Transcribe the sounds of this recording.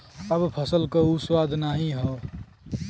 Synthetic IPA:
əbpʰəsəlkəuswaːd̪ʱnaːɦĩɦɔ

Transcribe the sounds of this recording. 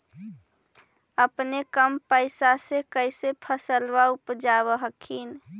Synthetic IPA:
əpnekəmpəɪsasekəɪsepʰəsəlʋaupd͡ʒaβəɦəkʰin

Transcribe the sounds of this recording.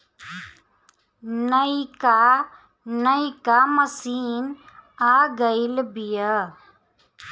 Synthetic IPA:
nəika | nəikamɐsiːn | aːɡəilbijə

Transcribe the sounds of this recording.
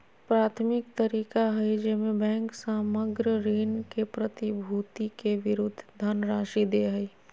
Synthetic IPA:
pɾaːt̪ʰmɪkt̪əɾiːkaɦɛjd͡ʒɛːmẽbɛ̃ːŋksaːməɡɾəɾiːnkepɾət̪ibʱuːt̪ikeʋɪɾʊd̪ʱːd̪ʱanɾaːʃid̪eɦɛi

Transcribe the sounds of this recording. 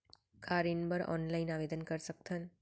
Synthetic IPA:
kʰaːɾinbɐɾɔ̰ːnlaɪnaːʋeːd̪ənkɐɾsɐk̚t̪ʰan

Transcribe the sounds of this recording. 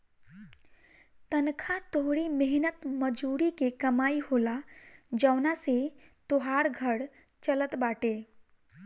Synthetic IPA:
t̪ənkʰat̪oɦɽimeɦnət̪məd͡ʒuːɾikekəmaːihoːlad͡ʒəʊnaset̪oɦaɽɡʱəɽ | t͡ʃələt̪baːʈe

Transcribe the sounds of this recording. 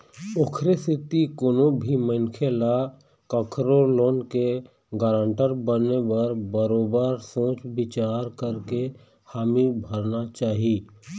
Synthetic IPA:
ʊkʰɾesɪt̪ikonobʱimənkʰela | kəkʰɾoɾloːnke | ɡaːɾə̃ɳʈəɾbənebəɾbəɾoːbəɾsõːt͡ʃbɪt͡ʃaːɾkəɾke | haːmibʱəɾnat͡ʃaːɦi

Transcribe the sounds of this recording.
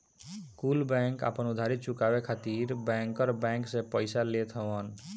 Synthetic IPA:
kulbɛ̃ŋka̰pənʊd̪ʱaɾit̪̚t͡ʃʊkabekʰat̪iɾbɛ̃ŋkəɾbɛ̃ŋksẽpəɪsalet̪ʰəwən

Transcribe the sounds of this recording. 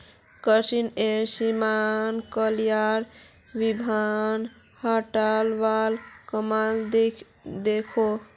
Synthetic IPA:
kəsinesimankəljaɾ | ʋibʱan | həʈəlʋalkəmald̪e | d̪ekʰo

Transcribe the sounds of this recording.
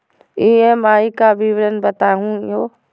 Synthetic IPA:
iːẽmaːikabʱiʋɾənbɐt̪aːɦũoː

